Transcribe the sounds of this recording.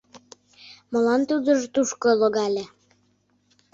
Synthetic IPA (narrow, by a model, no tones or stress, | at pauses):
məlɑnt̪ud̪əʒt̪uʃkoloɣɑlʲe